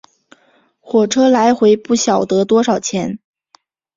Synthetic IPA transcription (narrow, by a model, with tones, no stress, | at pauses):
xwɔ˨˩ʈ͡ʂʰɤ˥la˧˥ɪxwe˧˥ɪpu˥˩ɕjɑ˨˩ʊt̪ɤ˧˥t̪wɔ˥ʂɑ˨˩ʊt͡ɕʰjɛ˧˥n